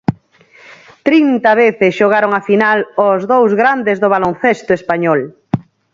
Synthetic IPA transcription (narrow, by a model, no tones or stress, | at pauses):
t̪ɾint̪ɐβeθɪsʃoɣ̞aɾoŋafinalozðowzɣɾand̪ezðoβ̞alonθest̪ʊespaɲɔl